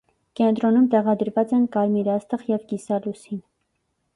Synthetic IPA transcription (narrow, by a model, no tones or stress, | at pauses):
kɛnt̪ɾɔnumt̪ɛʁɑd̪əɾvɑt͡sɛnkɑɾmiɾɑst̪əχjɛvkisɑlusin